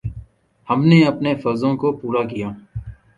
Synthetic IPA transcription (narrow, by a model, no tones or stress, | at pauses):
hɐmneːɐpneːfɐːzõːkopuːɾaːkijaː